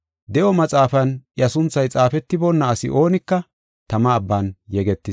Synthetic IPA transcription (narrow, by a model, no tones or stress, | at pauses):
d̪ɛʔɔmɐt͡sʼaːfɐnjɐsʊnt͡sːɐjt͡sʼaːfɛt̪ːɪbɔnːɐːsɪ̰ʔo̞ːnɪkːɐ | t̪ɐmɐːbːanjɛɡɛt̪ːɪs